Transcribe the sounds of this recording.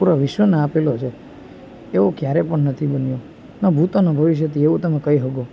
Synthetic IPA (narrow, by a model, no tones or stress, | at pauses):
puɾaʋɪʃʋəneapelot͡ʃʰeː | ʋokjaɾepəɳnət̪ʰibənjo | nəbʱut̪onobʱəʋiʃ̬jət̪ʰieʋũt̪əmẽkəiɦəɡo